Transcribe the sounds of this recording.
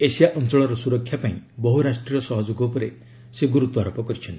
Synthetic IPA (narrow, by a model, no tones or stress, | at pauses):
esijaʔɔnt͡ʃɔɭɔɾɔsuɾɔkʰːjapaĩbɔɦuɾasʈɾijɔsɔɦɔd͡ʒoɡɔpɔɾe | seɡuɾut̪ɔaɾɔpɔkɔɾit͡ʃʰɔnt̪i